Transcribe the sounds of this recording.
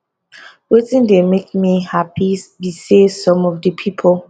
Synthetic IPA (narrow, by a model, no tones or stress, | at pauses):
wetĩndemek̚mihapʰibisesɔ̃mɔvdəpʰipʰɔl